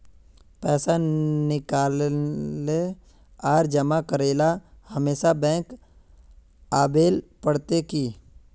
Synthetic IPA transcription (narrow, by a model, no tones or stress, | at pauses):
pɛːsanɪkaːl | e | aːɾd͡ʒəmakəɾeːlahəmeːsabɛ̃ːŋk | aːbeːlpəɽt̪ekiː